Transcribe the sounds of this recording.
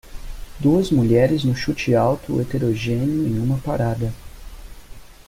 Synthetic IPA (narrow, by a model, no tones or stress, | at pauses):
d̪uɐzmuʎɛɾɪznʊʃut͡ʃɪawt̪ʊet̪eɾoʒẽniʊẽj̃ũmɐpaɾad̪ɐ